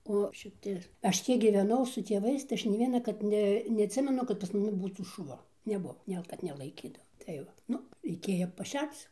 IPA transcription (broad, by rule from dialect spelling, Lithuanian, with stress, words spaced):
oː ʃʲɪˈtʲɪ ˈɐʃ ˈtʲiɛk ɡʲiːʋʲɛˈnɐʊ sʊ tʲiɛˈʋɐɪs tɐɪ ˈɐʃ nʲɛɪ ˈʋʲiɛnɐkɐrt ˈnʲɛ nʲɛɐtʲˈsʲɪmʲɛnʊ kɐt pɐs mɐˈnʲɪ ˈbuːtuː ʃʊˈʋɐ nʲɛˈbʊʋoː ˈnʲɛlˠ kɐt nʲɛlˠɐɪˈkʲiːdɐʋoː tɐɪ ˈʋɐ ˈnʊ rʲɛɪˈkʲeːjoː pɐˈʃʲɛrt͡s